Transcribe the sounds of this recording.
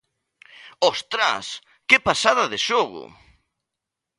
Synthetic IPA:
ɔst̪ɾa̰s | kepasaðaðeʃoɣʊ̰

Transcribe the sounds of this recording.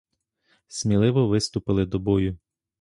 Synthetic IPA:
sʲmʲilˠɪʋɔʋɪst̪ʊpɪlˠɪd̪ɔbɔjʊ

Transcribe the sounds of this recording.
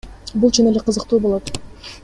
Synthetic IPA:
bulˠt͡ʃʰune̞leqʰɯzɯqt̪uːbolˠo̞t̪

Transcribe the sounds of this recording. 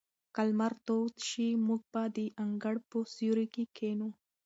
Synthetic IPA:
kalmaɾt̪ot̪ʃimuɡ̚bad̪iʔaŋɡaɽposjuɾikikʰenu

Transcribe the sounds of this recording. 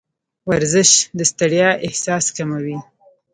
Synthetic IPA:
waɾzɪʃd̪əst̪aɽjɑʔɪhsɑskamawi

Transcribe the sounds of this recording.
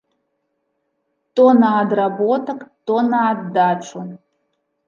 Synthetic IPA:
tʼonaːd̪rabotʰɐkʼtʼonaːd̪ːaʈ͡ʂʷʰu

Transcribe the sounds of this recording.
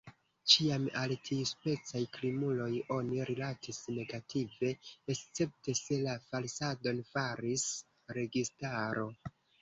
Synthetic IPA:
t͡ʃiamaltʰiuspe̞t͡sajklimulo̞jo̞niɾilatʰisne̞ɡatʰive̞ːst͡se̞p̚te̞se̞lafalsado̞nfaɾis | ɾe̞ɡistaɾo̞

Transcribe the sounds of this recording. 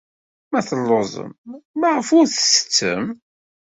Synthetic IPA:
mæθəlːozˤə̰mmaʁəfʊɾθə̥sə̥t͡sːə̰m

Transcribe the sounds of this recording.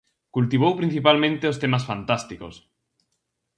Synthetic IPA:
kult̪iβ̞owpɾĩn̟θipalmẽnt̪eost̪emasfant̪ast̪ikos

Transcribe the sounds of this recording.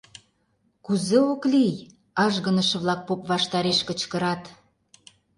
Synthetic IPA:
kuzeoklij | ɑʒɣə̆nə̆ʃə̆βlɑk̚popβɑʃt̪ɑɾeʃkə̆t͡ɕkə̆ɾɑt̪

